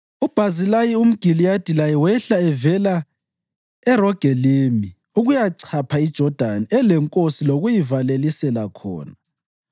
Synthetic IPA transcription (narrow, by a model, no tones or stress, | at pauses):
ub̥ʱazilajium̩ɡ̥ʱilijad̥ʱilajɛwɛɬaɛvɛla | ɛrɔɡ̥ʱɛlimi | uɣujaǀʰapʰaid̥ʒ̥ʱɔd̥ʱaniɛlɛŋkʼosiloɣujivalelisɛlakʰɔ̰ːna